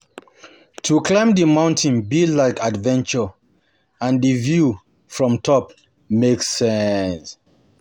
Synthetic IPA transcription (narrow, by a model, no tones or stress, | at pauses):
tʰuklãɪ̃mdimãʊ̃ntʰĩnbilaɪkadvɛ̃nt͡ʃə | ãndivju | fɹɔ̃mtʰɔp̚ | meksːɛns